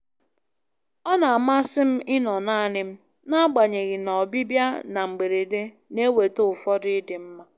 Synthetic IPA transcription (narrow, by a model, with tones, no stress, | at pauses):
ɔ˦na˨a˨ma˦sɪ˦m̩˦ʔɪ˦nɔ˨naː˦˨nɪ˦m̩˦ | na˦ɡ͡ba˨ɲe˨ɣɪ˨nɔ˨bi˦bja˦na˨ŋ͡m̩˨ɡ͡be˨ɾe˨de˦ne˦we˨to˦ʊ˨fɔ˦dɪ˦dɪ˨m̩˦ma˦